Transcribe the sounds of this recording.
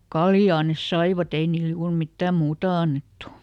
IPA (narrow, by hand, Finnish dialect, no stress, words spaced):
kɑljɑː nes sɑiʋɑt ei niːl juːr mitːæˑm muːtɑ ɑnːetːu